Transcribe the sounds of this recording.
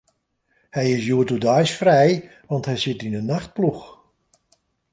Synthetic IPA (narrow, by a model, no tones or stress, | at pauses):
hɛjɪsjuətudɔjsfrɛj | ʋɑntɦɛjsɪtinənːaxt̚plux